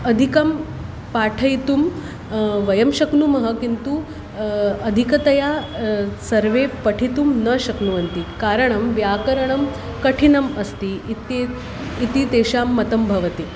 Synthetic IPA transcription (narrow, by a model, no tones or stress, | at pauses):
ɐd̪ʱikɐm | paʈʰɐjt̪um | ʋɐjɐmɕɐknumɐɦəkint̪u | ɐd̪ʱikɐt̪ɐja | sɐɾʋepɐʈʰit̪umnəɕɐknuʋɐnt̪ikaɾəɳ̃ɐmʋjakɐɾɐɳ̃ɐm | kɐʈʰinɐmɐst̪iit̪eː | t̪it̪eːɕaːmːɐt̪ɐmbʱɐʋɐt̪i